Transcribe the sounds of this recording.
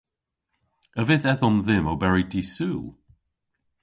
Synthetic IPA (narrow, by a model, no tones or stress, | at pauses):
əvɪðɛðɔmðɪmowbɛɹidiːsuːlˠ